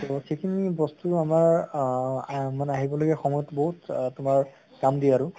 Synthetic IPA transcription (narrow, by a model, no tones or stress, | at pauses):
tɔxejkʰinibɔstuamaɹ | manaɦibɔloɡɛxɔmɔjɔtbɔɦuttʊmaɹ | kamdiaɹʊ̃